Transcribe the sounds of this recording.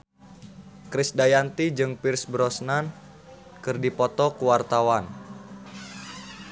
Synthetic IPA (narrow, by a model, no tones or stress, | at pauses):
kɾisdajant̪id͡ʒɨŋpirsbɾɔsnan | kɨrdipɔt̪ɔkuwart̪awan